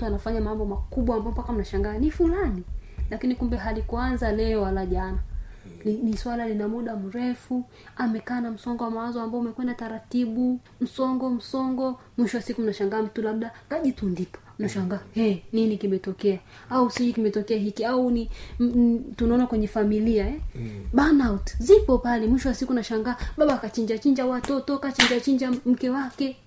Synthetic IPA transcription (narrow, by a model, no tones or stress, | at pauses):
m̩tuanafaɲamambɔmakuɓwaːmbaɔmpakam̩naʃaŋɡaːnifulanilakinikumbɛɦalikuanzalɛɔwalaʄanaliniswalalinamuɗam̩ɾɛfu | amɛkaːnam̩sɔŋɡɔwamwazɔambaɔumɛkwɛndataɾatiɓu | m̩sɔŋɡɔm̩sɔŋɡɔ | mwiʃɔwasikum̩naʃaŋɡaːm̩tulaɓɗakaʄitundipɔ̥m̩naʃaŋɡaːhɛninikimɛtɔkɛa | ausid͡ʒikimɛtɔkɛaɦikiauni | tunaɔnakwɛɲɛfamiliaɛɓanautzipɔpalɛmwiʃɔwasikunaʃaŋɡaːɓaɓaːkat͡ʃiɲd͡ʒat͡ʃiɲd͡ʒawatɔtɔkat͡ʃiɲd͡ʒat͡ʃiɲd͡ʒam̩kɛwakɛ